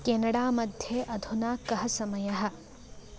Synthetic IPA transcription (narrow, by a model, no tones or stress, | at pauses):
keːnɐɽaːmɐd̪ʱjeʔɐd̪ʱunaːkɐɦɐsɐmɐjɐɦɐ̆